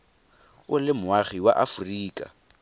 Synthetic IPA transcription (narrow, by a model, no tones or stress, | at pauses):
ʊlɪmʊaχiwa̰ʔafʊriːkʼa̰